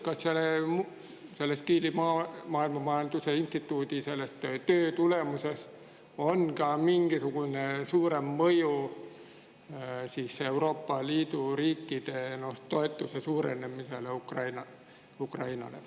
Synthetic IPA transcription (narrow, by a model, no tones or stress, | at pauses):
kɑsselemu | selːæst̪kiːlimɑmɑːilmɑmɑːɑnt̪useinst̪it̪uːt̪iselːæst̪øt̪øːt̪ulemuses | onkɑːmiŋkisukunesuːremməju | siːseeuroːpːɑliːt̪uriːkːiːt̪eːnost̪oet̪ːusesuːrḛnːemːiselːukrɑinɑ | ukrɑinɑ̰lḛ